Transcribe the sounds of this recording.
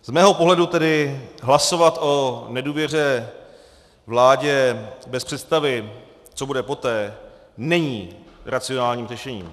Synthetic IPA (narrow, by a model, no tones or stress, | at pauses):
z̥mɛːɦo̞po̞ɦlɛdut̪ɛdɪɦlaso̞vat̪o̞nɛduːvjɛr̝ɛ | vlaːɟɛbɛspr̥ɛt̪st̪avɪ | t͡so̞budɛpo̞t̪ɛː | nɛɲiːɾat͡sɪonaːlɲiːmrɛʃɛɲḭːm